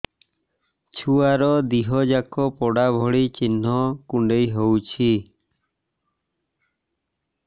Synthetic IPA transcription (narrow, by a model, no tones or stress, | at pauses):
t͡ʃʰuaɾɔd̪iɦɔd͡ʒakʰɔpɔɽabʱɔɽit͡ʃinːɔkuɳɖejɦowt͡ʃʰi